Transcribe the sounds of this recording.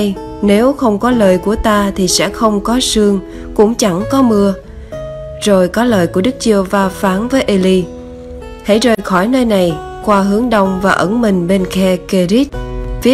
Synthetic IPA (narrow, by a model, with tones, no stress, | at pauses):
j | ne˨˦wxə˧wŋ͡mkɔ˨˦ləː˨˩jku˧˩ət̪aː˧t̪ʰi˨˩sɛ̰˧˥xə˧wŋ͡mkɔ˨˦sɨ˧əŋ | kʊ̰˧˥ŋ͡mt͡ɕa˧˩ŋkɔ˨˦mɨ˧ə | zo˨˩jkɔ˨˦ləː˨˩jku˧˩əɗɨ˦˥k̚t͡ɕɨ˧əvaː˨˧faː˨˦nvəː˨˦jʔe˧li˧ | hḛ˧˥jzəː˨˩jxɔ˧˩jnəː˧jna˨˩j | xwaː˧ɦɨ˨˦əŋɗə˧wŋ͡mvaː˨˩ʔə˧˩˦nmï˨˩ŋ̟ɓe˧nkɛ˧ke˧zi˦˥t̚vi˨˦˥